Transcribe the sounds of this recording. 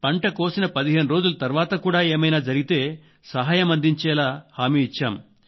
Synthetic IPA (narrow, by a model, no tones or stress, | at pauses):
pɐɳʈɐko̞ːsinɐpɐd̪iɦe̞ːnuɾoːd͡ʒulɐt̪ɐɾʋaːt̪ɐkuːɽaːeːmɐjnaːd͡ʒɐɾiɡit̪e̞ː | sɐɦaːjɐmɐnd̪iɲt͡ʃɛːlaːhaːmiːit͡ʃːaːm